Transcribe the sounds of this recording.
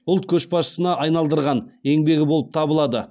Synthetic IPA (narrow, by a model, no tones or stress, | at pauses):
ʊlˠt̪̚kʲʰɵʃbɑʃə̥sənɑʔɑjnɑlˠd̪əɾʁɑne̞ŋbe̞ɡʲɪbo̞lˠəp̚t̪ʰɑbəlˠɑd̪ə